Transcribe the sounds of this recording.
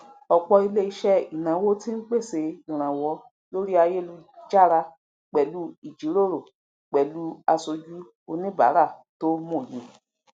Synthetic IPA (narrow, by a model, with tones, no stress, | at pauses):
ɔ˧k͡pɔ˧i˧le˦i˧ʃɛ˦i˨nã˨˦wo˦tĩ˦n̩˦k͡pe˦˨se˧i˨ɾ̃ã˨wɔ˧˦ | lo˦ɾi˦a˧je˦lu˧d͡ʒa˦˨ɾa˧ | k͡pɛ˨lu˨˦i˨d͡ʒi˨˦ɾo˦˨ɾo˨ | k͡pɛ˨lu˧˦a˧so˧d͡ʒu˦ | o˧nĩ˦ba̰˨˦ɾa˦˨to˦mũ˦˨jĩ˨